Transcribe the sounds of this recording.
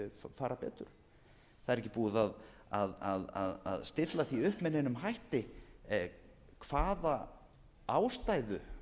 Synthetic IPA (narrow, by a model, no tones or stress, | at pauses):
ffaːɾapɛ̰ːt̪ʏɾ̥ | θaðɛɾɛc̬ːɪpuːðaðaðaða̰ða̰ðst̪ɪt̪laθiʏhpmɛnenʏmɦajht̪ɪ | kʰv̥aːða | awst̪aːjðʏ